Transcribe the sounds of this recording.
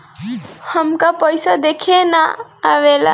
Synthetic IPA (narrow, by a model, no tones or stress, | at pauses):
həmkapəjsad̪ekʰenaaʋela̰